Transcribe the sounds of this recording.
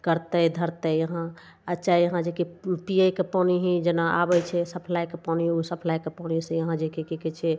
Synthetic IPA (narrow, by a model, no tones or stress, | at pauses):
kəɾt̪əjd̪ʱəɾt̪əjəɦã | ət͡ʃaijəɦãd͡ʒekipijəjkepɔniɦĩd͡ʒenaʔa̰bɛt͡ʃʰɛsəpʰlajkepaniɦusəpʰlajkepɔnisẽjəɦãd͡ʒekekekɛt͡ʃʰɛ